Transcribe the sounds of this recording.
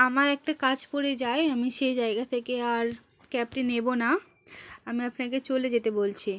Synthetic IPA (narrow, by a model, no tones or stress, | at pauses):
amaɾɛk̚ʈakad͡ʑpoɾed͡ʑaeamiʃejd͡ʑaeɡat̪ʰekeaɾ | kɛp̚ʈinːebona | amiapnaket͡ɕoled͡ʑet̪ebolt͡ɕʰi